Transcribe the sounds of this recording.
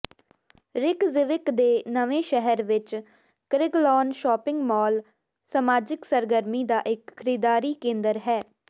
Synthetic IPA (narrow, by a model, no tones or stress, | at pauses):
ɾɪkzɪʋɪkd̪eːnəʋẽːʃɛɦəɾʋɪt͡ʃ | kəɾɪɡlɔːnʃɔːpɪ̃ŋɡmɔːl | samaːd͡ʒɪksəɾɡəɾmiːd̪aːʔɪkʰəɾiːd̪aːɾiːkẽːnd̪əɾɦɛː